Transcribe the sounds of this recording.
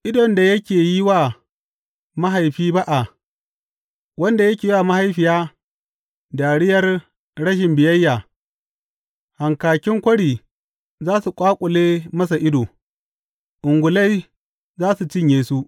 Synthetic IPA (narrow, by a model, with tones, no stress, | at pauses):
ʔɪ˦dɔ˨nda˨jɐ˦kʲeː˨ji˦waː˦˨ | ma˦ɦa˨jɸiː˦ba˦ʔa˨ | wɐ˦nda˨jɐ˦kʲeː˨jwa˨ma˦ha˦jɸɪ˨jaː˦ | daː˨ɽɪ˦jɐ˦r | ɽɐ˦ʃ̬ɪ˨mbɪ˨jɐ˦jːaː˨ | ha˨ŋkaː˨kʲɪ˦ŋkʷɐ˦ɽiː˨ | zaː˦su˨kʷʼaː˦kʷʼʊ˨leː˦mɐ˦s̬a˨ʔɪ˦doː˨ | ʔʊ˨ŋɡʷʊ˨la˦j | zaː˦su˨t͡ʃɪ˦ɲjeː˨su˦ʔ